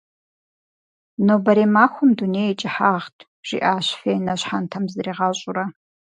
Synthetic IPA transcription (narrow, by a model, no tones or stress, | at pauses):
nowbɐɾeːmaːxʷʊmdunejet͡ʃʼɪħaːʁtʼʰ | ʒ̥ḭʔaːɕfeːjnɐɕħantʰɐmzɨɾiːʁɑːɕʼʊrɐ